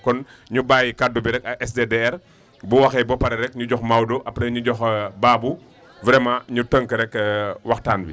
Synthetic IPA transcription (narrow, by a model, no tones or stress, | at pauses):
kɔnɲubaːjikadːubiɾɛkɐɛsdedeɛr | buwɐxɛbɔpɐɾɛɾɛk̚ɲuɟɔxmawdɔʔɐpɾɛɲuɟɔxbaːbu | vɾɛmɐɲutəŋkəɾɛkːwɐxtaːnbi